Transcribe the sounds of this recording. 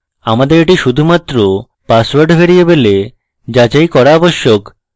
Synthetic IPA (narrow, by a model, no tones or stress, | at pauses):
amad̪eɾeʈiʃud̪ʱumat̪ːɾo | paswaɾɖbʱeɾijebele | d͡ʑad͡ʑajkɔɾaɔboʃːok